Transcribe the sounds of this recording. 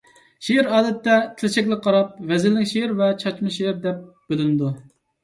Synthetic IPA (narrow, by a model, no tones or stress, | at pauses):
ʃeɪɾɑːd̪ɛt̪ːɛt̪ʰɪlɪt͡ʃʰɛkʲlɪk̚ʲqʰɑɾɑp̚vɛzɪlːɪkʲʃeɾvɛt͡ʃʰɑt͡ʃmɨʃeɪɾd̪ɛp̚ | b̥ølɪnɪd̪u